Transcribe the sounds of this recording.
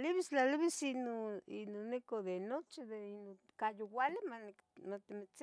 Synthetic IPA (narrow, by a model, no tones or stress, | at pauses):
liβist͡ɬaliβisinoḭnonikoðenot͡ʃid̪eino | kajowalimane | mat̪imit͡s